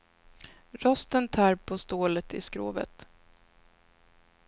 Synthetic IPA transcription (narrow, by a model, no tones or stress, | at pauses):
ɾɔst̪ənt̪ʰɑːɾpʰɔst̪oːlət̪ɪskɾo̰ːvə̰t̪